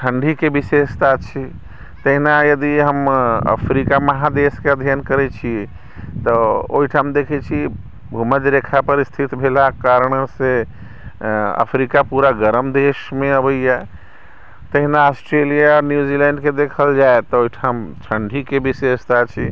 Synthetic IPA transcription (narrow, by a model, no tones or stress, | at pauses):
t͡ʃʰəɳɖʱikebisest̪ʰat͡ʃʰi | t̪əɦinajəd̪iɦəmə̰pʰɾikaməɦad̪eskeəd̪ʱjankəɾɛt͡ʃʰi | t̪ɔo̰ɦiʈʰamd̪ekʰɛt͡ʃʰi | bʱuməd͡ʒɾekʰapəɾist̪ʰit̪bʱelakaɾəɳ̃se | ə̰pʰɾikapuɾaɡəɾəmd̪esmeəbəjja | t̪əɦinaosʈɾelijaɾnjud͡ʒilɛɳɖked̪ekʰəld͡ʒaet̪ɔoiʈʰamt͡ʃʰəɳɖʱikebisest̪at͡ʃʰi